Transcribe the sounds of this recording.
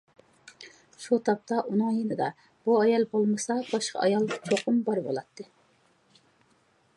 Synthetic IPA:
ʃut̪ʰɑp̚t̪ʰɑʔunɨŋjenɨd̪ɑ | b̥uɑjɑlˠbolˠmɨsɑb̥ɑʃqʰɑ̰ɑ̰jɑlˠt͡ʃʰoqʰʊmbɑɾbo̰lˠɑt̪ʰːɨ

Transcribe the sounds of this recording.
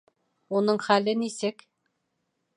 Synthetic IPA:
unɤɴχælɘnisɘk

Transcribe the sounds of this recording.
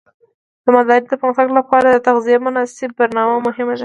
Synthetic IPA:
d̪̥əmad̪ɑɾd̪əpəmxt̪aɡlapɑɾad̪ət̪aɣzijemʊnɑsɪb̚ːaɾnɑmamʊhɪmad̪a

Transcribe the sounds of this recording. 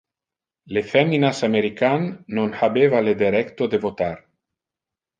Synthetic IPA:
lefɛmːinasameɾikanːonhabevaled̪eɾɛkt̪od̪evot̪aɾ

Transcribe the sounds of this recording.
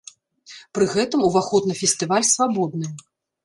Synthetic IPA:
pɾɨɣɛt̪ɨmuvaxɔt̪nɨfʲɛsʲt̪ɨvalʲsvabɔd̪nɨ

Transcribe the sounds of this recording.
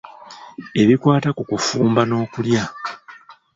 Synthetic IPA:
e̞βikwaːtakukufuːmbano̞ːkulja

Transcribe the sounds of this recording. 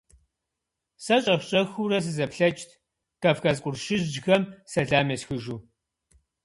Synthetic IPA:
sɐɕʼɐfʷɕʼɐxuɾɐs̬ɨzɐpɬɐt͡ʃʼtʰ | kɐfxɐzqʷʼʊrʃɪʒd͡ʒxɐmsɐɮaːmesxɨʒuː

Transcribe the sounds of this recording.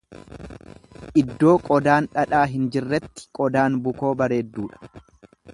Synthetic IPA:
ʔɪd̪ːo̞ːkʼɔd̪aːnᶑɐᶑaːɦɪnd͡ʒɪrːɛt̪ːɪ̥kʼɔd̪aːnbʊko̞ːbɐɾe̞ːd̪ːuːᶑɐ̥

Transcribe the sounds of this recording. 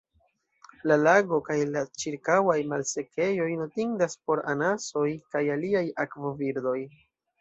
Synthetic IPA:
lalaɡo̞kajlat͡ʃiɾkawajmalse̞ke̞jo̞jno̞tiŋdaspo̞ɾa̰naso̞jkajaliajakvo̞viɾdo̞j

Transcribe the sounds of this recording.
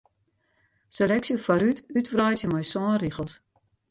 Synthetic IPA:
selɛksjofaɾytytvrɔjtjəmɔjsɔːriɣəlˠt

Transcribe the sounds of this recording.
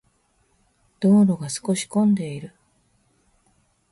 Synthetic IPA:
d̪̥o̞ːɾo̞ɡasɨ̥ko̞ɕi̥kõ̞nd̪e̞iɾɯ̟

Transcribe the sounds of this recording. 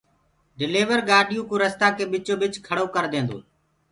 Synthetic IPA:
ɖɪleːʋəɾɡaːɗijũːkõːɾəst̪aːkeːɓɪt͡ʃoːɓɪt͡ʃkʰəɽoːkəɾd̪ẽːnd̪o̰ː

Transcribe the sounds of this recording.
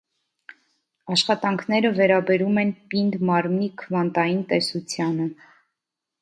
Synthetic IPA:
ɑʃχɑt̪ɑŋkʰnɛɾəvɛɾɑbɛɾumɛnpind̪mɑɾmikʰəvɑnt̪ɑjint̪ɛsut͡sʰjɑnə

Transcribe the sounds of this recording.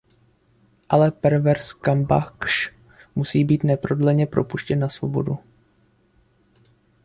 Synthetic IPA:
ʔalɛpɛɾvɛɾskamba̰kʃ | musiːbiːt̪nɛpɾo̞dlɛɲɛpɾo̞puʃcɛnːasvo̞̰bo̞du

